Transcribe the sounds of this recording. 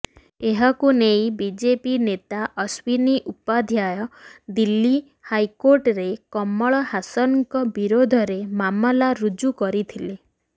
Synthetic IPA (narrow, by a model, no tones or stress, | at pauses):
eɦakunejbid͡ʒepinet̪aʔɔswiniʔupad̪ʱjajɔd̪ilːi | hajkoɾʈɾekɔmːɔɭɔhasɔnŋkɔbiɾod̪ʱɔɾemamɔlaɾud͡ʒukɔɾit̪ʰile